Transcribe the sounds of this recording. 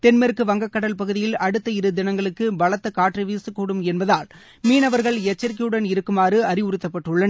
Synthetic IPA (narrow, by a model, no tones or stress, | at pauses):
t̪ɛnmɛɾkːɯʋɐŋɡɐkːɐɽɐlpɐɣɯðɪjɪlɐɽɯt̪ːɐɪɾɯd̪ɪnɐŋɡɐɭɯkːɯbɐɭɐt̪ːɐkaːʈrɐʋiːsɯkːuːɽɯmɛnbɐðaːl | miːnɐʋɐɾɣɐɭɛt͡ʃːɐɾk̬iɯɽɐnɪɾɯkːɯmaːrɯɐɾɪʊɾɯt̪ːɐpːɐʈːɯɭːɐn